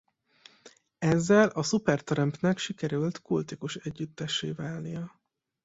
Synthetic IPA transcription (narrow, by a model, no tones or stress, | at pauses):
ɛzːɛlɒsupɛrt̪ɛɾɛmpnɛkʃikɛɾylt̪kult̪ikuʃɛɟːyt̪ːɛʃeːvaːlnijɒ